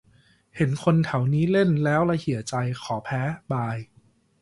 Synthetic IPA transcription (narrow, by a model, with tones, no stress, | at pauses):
he˩˦nkʰo˧nt̪ʰa˩˦wniː˦˥le˥˩nlɛː˦˥wla˧hi˩˦ət͡ɕa˧jxʰɔː˩˦pʰɛː˦˥baː˧j